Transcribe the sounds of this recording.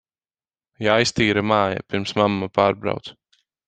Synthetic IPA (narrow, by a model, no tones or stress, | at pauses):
jajst̪iːɾamaːja̰piɾmsmamːapaːɾbɾa̰wt̪s